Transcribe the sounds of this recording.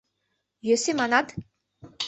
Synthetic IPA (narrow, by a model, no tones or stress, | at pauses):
jøsimanat̪